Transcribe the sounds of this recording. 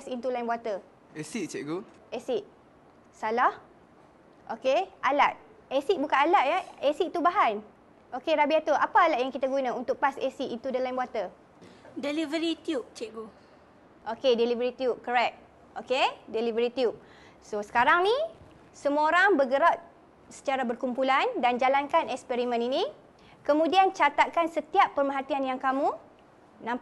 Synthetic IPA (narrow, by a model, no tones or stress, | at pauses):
sint̪ulaĩnbwat̪ə | esiʔt͡ʃɛʔɡu | esiʔ | salah | ʔokealat̪̚esiʔ̚bukanalaʔ̪jaesiʔt̪ubaɦan | ʔokeɾabiat̪uʔapaalaʔ̪̚jaŋkit̪aɡunaunt̪ʊk̚pasesiʔint̪udəlainbwat̪ə | delivəɾit̪iup̚t͡ʃɛʔɡu | ʔokedelivəɾit̪iup̚kəɾɛk̚ | okedelivəɾit̪iup̚ | sosə̥kaɾaŋni | səmũoɾaŋbəɡəɾaʔ̚ | sə̥t͡ʃaɾabərkumpulandand͡ʒalankanɛk̚spɛɾimə̃ninĩ | kəmũdiant͡ʃat̪at̪̚kansət̪iapːərmãɦat̪ianjaŋkamũ | nãm